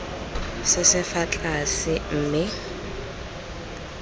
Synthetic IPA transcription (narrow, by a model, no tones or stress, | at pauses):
sɪsɪfat͡ɬʼasɪm̩ːmɪ